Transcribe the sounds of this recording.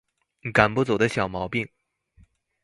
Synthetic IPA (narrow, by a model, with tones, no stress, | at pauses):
ka˨˩npu˥˩t͡so˨˩ʊd̪ə˦ɕjɑ˨˩ʊmɑ˧˥ʊpi˥˩ŋ